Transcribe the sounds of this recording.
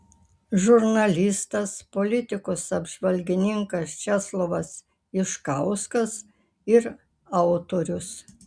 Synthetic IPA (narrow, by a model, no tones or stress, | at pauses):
ʒʊɾnɐlʲɪst̪ɐspolʲɪt̪ʲɪkʊsɐbʒʋɐlʲɡʲɪnʲɪŋkɐst͡ʃʲɛslˠoʋɐs | ɪʃkɐʊskɐs | ɪɾ | ɑʊt̪oːɾʲʊs